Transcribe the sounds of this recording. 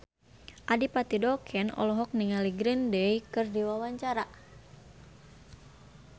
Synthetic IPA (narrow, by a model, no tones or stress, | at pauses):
ʔadipat̪idɔkʰɛnɔ̰lɔɦɔk̚niŋaliɡɾindəikɨrdiwawaɲt͡ʃaɾa